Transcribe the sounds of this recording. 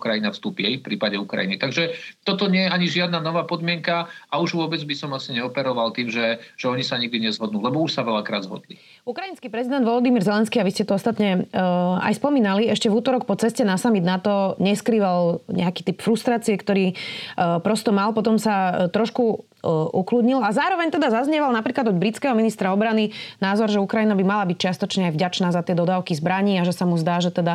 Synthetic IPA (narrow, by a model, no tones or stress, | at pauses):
ukɾajinafst̪uːpiɛifpɾiːpaɟɛukɾa̰jinit̪aɡʒɛt̪ɔt̪ɔɲɪɛjɛaɲiʒɪad̪nanɔʋaːpɔd̪mɪɛŋkaauʒʋʊɔbɛd͡zbisɔmasiɲɛɔpɛɾɔʋalt̪iːmʒɛʒ̥ɛɔɲisaɲiɡ̚d̪iɲɛzɦɔd̪nuːlɛbɔuʃsaʋɛlakɾa̰ːd̪zɦɔ̰d̪lḭ | ukɾajinskiːpɾɛzid̪ɛnd̪ʋɔlɔd̪imiːɾzɛlɛnskiːaʋiscɛt̪ɔɔst̪at̪ɲɛ | a̰jspɔmiːnaliɛʃcɛvuːt̪ɔɾɔkpɔt͡sɛscɛnasamid̪nat̪ɔɲɛskɾiːʋalɲɛ̰akiːt̪ipfɾust̪ɾaːt͡siɛkt̪ɔɾiː | pɾɔst̪ɔmalpɔt̪̬ɔmsat̪ɾɔʃku | ʔuklud̪ɲilazaːɾɔʋɛɲt̪ɛd̪azazɲɛʋalnapɾiːklad̪ɔd̪̚bɾit͡skɛɦɔminist̪ɾaɔbɾaninaːzɔɾʒɛukɾainabimalabic̚t͡ʃɪast̪ɔt͡ʃɲɛajvɟat͡ʃnaːzat̪ɪɛd̪ɔd̪aːʊkizbɾaɲiːaʒɛsamuzd̪aːʒɛt̪ɛd̪a